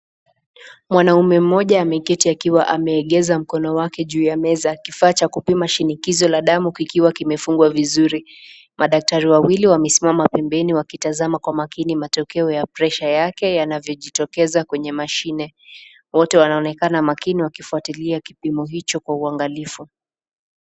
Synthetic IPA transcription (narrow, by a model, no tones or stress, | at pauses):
mwanaumɛm̩ːɔʄaːmɛkɛtiakiwaʔamɛːɠɛzam̩kɔnɔwakɛʄuːjamɛzakifaːt͡ʃakupimaʃinikizɔlaɗamukikiwakimɛfuŋɡwavizuɾi | maɗak̚taɾiwawiliwamɛsimamapɛmbɛniwakitazamakwamakinimatɔkɛɔjapɾɛʃajakɛjanavjɔʄitɔkɛzakwɛɲɛmaʃinɛ | wɔtɛwanaɔnɛkanamakiniwakifuatiliakipimɔɦit͡ʃɔkwauaŋɡalifu